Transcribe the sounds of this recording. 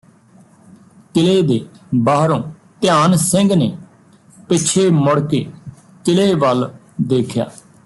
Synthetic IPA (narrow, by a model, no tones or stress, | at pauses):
kɪleːd̪eːbaːɦɾõː | t̪ɪjaːnsɪŋɡneː | pɪt͡ʃʰeːmʊɽkeː | kɪleːʋəl | d̪eːkʰja̰ː